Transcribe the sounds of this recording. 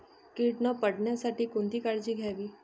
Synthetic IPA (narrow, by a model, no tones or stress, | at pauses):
kiːʈnɔ̃pəɽnɛ̃saʈikʊnd̪iːkəɾd͡ʒiːɡʱɛːɡiː